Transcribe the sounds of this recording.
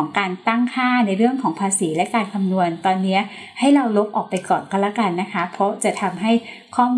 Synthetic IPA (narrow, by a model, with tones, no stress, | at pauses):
ŋkaː˧nt̪a˥˩ŋkʰaː˥˩na˧jɾɯ˥˩əŋkʰɔː˩˦ŋpʰaː˧siː˩˦lɛ˦˥kaː˧nkʰa˧mnu˧ənt̪ɔː˧nːi˦˥ɐʔ | ha˥˩jɾa˧wlo˦˥p̚ʔɔː˨˩k̚pa˧jkɔː˨˩nkɔ˥˩nlɛː˦˥˩ka˧nːa˦˥kʰa˦˥pʰɾɔ˦˥t͡ɕa˨˩t̪ʰa˧mɦa˥˩j | kʰɔː˥˩m